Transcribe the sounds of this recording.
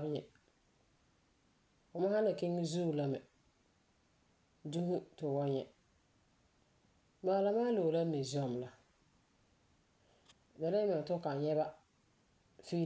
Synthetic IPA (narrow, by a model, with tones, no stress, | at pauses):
ɲɛ̰˨ | ʊ˨ma˦a˦na˨ke˦ŋ˦zu˦˨la˦mɛ˨ | du˦ɦʊ˦tʊ˨wɔ˦ɲɛ̰˨ | maː˨la˦maː˦lo˨la˦ne˨zi˨˦ɔ˨m˨la˨ | da˨la˦mɛ˨ŋ˨tʊ˦ka˨n˨jɛ˦ba˦ | fi˦